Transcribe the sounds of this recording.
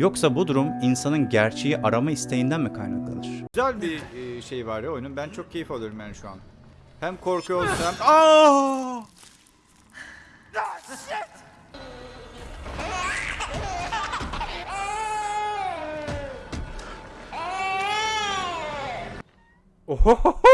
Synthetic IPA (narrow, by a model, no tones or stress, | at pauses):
jo̞ksabud̪uɾuminsanɯnɟæɾt͡ʃʰe̞jiʔaɾamaist̪ʰe̞jind̪ænmikʰajnaklˠa̰lˠɯɾ̥yzælʲbiʃejvaɾjojnumbænt͡ʃʰo̞k̚cʰe̞jifalˠɯoɾumjanʃua̰n | hæmkʰo̞ɾkujolˠusama | o